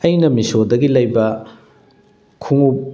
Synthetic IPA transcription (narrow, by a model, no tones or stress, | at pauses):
ɐjnɐmisodɐɡilɐjbɐ | kʰuŋup̚